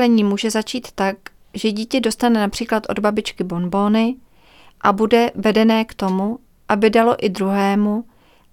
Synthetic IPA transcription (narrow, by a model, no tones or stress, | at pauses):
lɛɲiːmuːʒɛzat͡ʃiːt̪ːak | ʒɛɟiːcɛdo̞st̪anɛnapr̥iːklat̪ʔo̞̰dbabɪt͡ʃkɪbo̞nbo̞ːnɪ | ʔabudɛvɛdɛnɛːkt̪o̞mu | ʔabɪdalo̞ʔɪd̪ɾuɦɛːmu